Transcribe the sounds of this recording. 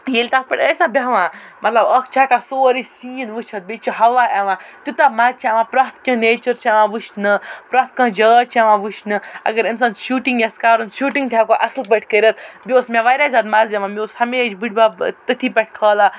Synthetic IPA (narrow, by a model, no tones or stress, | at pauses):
jeːlʲt̪aːtpɐʈʲəːsãːbʲaɦʋãmɐt̪lɐbɐk̚ʰt͡ʃʰaːʈasoːɾisĩːnʋɨt͡ʃʰɐt̪̚bet͡ʃiɦɐʋaʔɐʋãːt̪ut̪aːmɐzt͡ʃʰaʋãːpɾɐɦt̪ʰkʲɐ̃neːt͡ʃɐɾt͡ʃʰaʋãːʋɨʃnɨpɾɐt̪̚ʰkɐ̃ːd͡ʒəːt͡ʃʰɐʋãːʋuʃnɨɐ̰ɡɐɾinsɐnʃuːʈiŋɡjɐskaːɾɐnʃuːʈiŋɡt̪ʰjaːkoʔɐslbɐʈʰʲkəɾʲɐt̪̚bʲoːsmẽʋaɾʲaːzɐd̪mɐzjɐʋãmʲoːshɐmeːd͡ʒbɨʈ̚ʰʲbat̪ɨt̪ʰibɐʈ̚ʰkʰɐːla